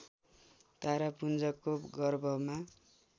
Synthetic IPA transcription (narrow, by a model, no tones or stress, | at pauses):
t̪aɾapund͡zʌkoɡʌrbʱʌma